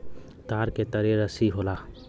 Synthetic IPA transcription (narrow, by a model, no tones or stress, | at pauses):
t̪aːɾket̪əɾeɾəsiɦoːlaː